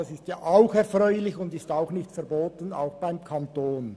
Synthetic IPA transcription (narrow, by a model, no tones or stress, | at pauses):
ɑsɪstjɑːʔaʊxɛɐfʁɔʏlɪçʊndɪstaʊxnɪçtfɛʁboːtəna̰ʊxb̥aɪmkʰɑntoːn